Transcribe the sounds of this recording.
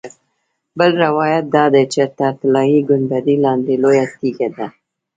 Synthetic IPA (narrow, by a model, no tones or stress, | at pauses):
bəlɾɪwɑjat̪̚d̪ɑd̪at͡ʃet̪aɾt̪alɑiɡʊnbad̪ilɑnd̪elojat̪iɡed̪a